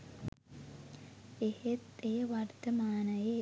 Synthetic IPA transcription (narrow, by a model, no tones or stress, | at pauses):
ehet̪ejəʋart̪əmaːnəje